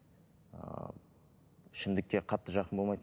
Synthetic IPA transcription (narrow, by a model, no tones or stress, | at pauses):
ɪʃɪmd̪ɪkːʲe̞qʰɑt̪ːəʒɑqənbomɑjt̪